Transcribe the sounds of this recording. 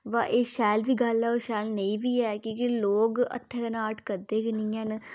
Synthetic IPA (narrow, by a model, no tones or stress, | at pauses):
ʋaʔeːʃɛːlʋiːɡəlɛːoʃɛːlnəĩːʋiːɛːkõːkiloːɡə̰t̪ʰːɛkənaːʈkəɾd̪eːkɪnĩːən